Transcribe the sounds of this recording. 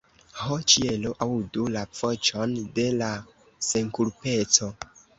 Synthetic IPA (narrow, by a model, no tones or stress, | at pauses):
hot͡ʃieloʔawdulafot͡ʃonde̞la | se̞ŋkuɾpe̞t͡so̞